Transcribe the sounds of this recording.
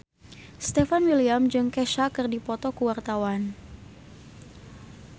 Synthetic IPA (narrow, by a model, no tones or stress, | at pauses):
st̪ɛfanwiliamd͡ʒɨŋkɛʃakɨrdipɔt̪ɔkuwart̪awan